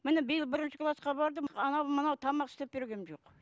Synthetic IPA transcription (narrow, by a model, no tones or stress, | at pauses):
mɪnɪbɪjɪlˠbɪɾɪnʃɪkʰlˠɑsqɑbɑɾd̪əɑnɑwmənɑwt̪ʰɑmɑqɪ̥st̪ep̚be̞ɾɡʲe̞nʒo̞q